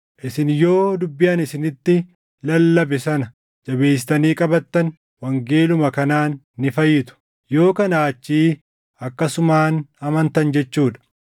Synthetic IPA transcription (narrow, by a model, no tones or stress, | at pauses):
ʔɪsɪnjo̞ːd̪ʊbːɪjanɪsɪnɪt̪ːɪ | lɐlːɐbɪsɐnɐ | d͡ʒɐbe̞ːs̬ɪ̥t̪ɐniːkʼɐbɐt̪ːɐn | wɐŋɡeːlʊmɐkɐnaːnː | ɪfɐjːɪd̪ʊ̥ | jo̞ːkɐnaːt͡ʃːiː | ɐkːɐsʊmaːnɐmɐnt̪ɐnd͡ʒɛt͡ʃːuːᶑɐ̥